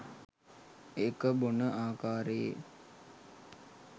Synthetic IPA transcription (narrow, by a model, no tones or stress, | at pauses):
ekəbonəʔaːkaːɾəjḛ